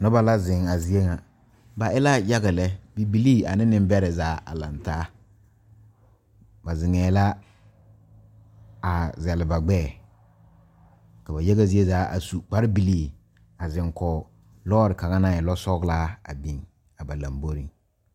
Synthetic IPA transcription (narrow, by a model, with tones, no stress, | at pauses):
nɔ˦ba˦la˦zɪ˨ŋa˨zi˨e˦ŋa˨ | ba˨ɪ˦la˦ja˦ɣa˨lɛ˦bi˨bi˨liː˦˨a˨nɪ˦nɪ˦m˦bɛ˦ɾɛ˨zaː˨˦a̰˨la̰˨ntaː˦ | ba˨zɪ˨ŋɛː˨la˦ | a˨zɛ˨lɪ˨ba˨ɡ͡bɛː˦˨ | ka˨ba˨ja˦ɣa˦zi˦e˦zaː˨˦ʔa̰˨su˨k͡pa˦ɾɪ˦bi˨liː˦˨ | a˨zɪ˨ŋkɔː˨ | lɔː˦ɾɪ˨ka˨ŋa˦na˦˨ɛ˨lɔ˦sɔ˦ɡlaː˦a̰˨bi˨ŋ | a˨ba˨la̰˨mbo˦ɾi˨ŋ